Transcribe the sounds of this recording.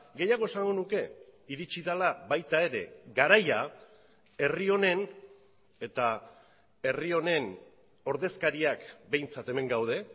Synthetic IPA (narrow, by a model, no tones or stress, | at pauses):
ɡe̞jaɣ̞o̞esaŋɡo̞nuke̞iɾit͡ʃiðalabajt̪ae̞ɾe̞̰ɡaɾaja | e̞rio̞ne̞n | e̞t̪a | e̞rio̞ne̞n | o̞ɾðe̞skaɾiakbe̞jnt͡sat̪e̞me̞ŋɡawð̞e̞